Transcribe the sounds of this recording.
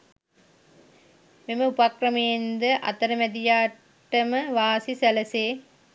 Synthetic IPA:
memɐupakɾɐmeːnd̪ɐʔɐ̰t̪ɐɾɐmɛd̪ijaː | ʈːɐmɐʋaːsisɛlɐseː

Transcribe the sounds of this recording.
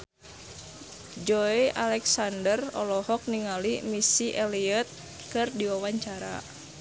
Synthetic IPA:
d͡ʒɔiʔalɛksandərɔ̰lɔhɔk̚niŋalimisiʔɛliət̪̚ | kɨrdiwawaɲt͡ʃaɾa̰

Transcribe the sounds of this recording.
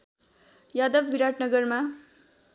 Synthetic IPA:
jad̪ʌbːiɾaʈnʌɡʌrma

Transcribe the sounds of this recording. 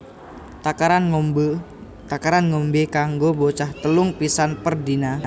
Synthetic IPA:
t̪akaɾanob | t̪akaɾanŋombekaŋɡobot͡ʃaht̪əlʊŋpisanpərdina

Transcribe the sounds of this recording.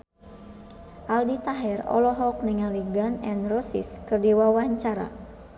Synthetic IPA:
ʔaldit̪aɦɛrɔ̰lɔɦɔk̚niŋaliɡanɛnrɔsḭskɨrdiwawaɲt͡ʃaɾa̰

